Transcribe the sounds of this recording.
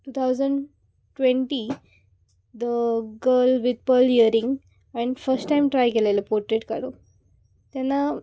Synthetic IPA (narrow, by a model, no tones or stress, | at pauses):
ʈuːt̪ʰawzəɳɖ | ʈʋẽɳʈi | d̪əɡəlʋid̪̚pəliəɾĩŋɡ | ɛ̃ɳɖfəɾsʈʈajmʈɾajkelelepoɾʈɾeʈkaɾu | t̪anːa